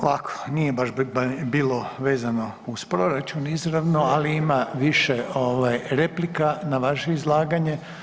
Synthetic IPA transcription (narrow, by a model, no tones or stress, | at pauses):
olakʰo̥nije̞baʃbiːlo̞ʋe̞ːzano̞ | uspɾo̞ɾat͡ʃunizɾaʋnoaliimaʋiʃeoʋajɾe̞plikanaʋaʃeizlˠaːɡaɲe̞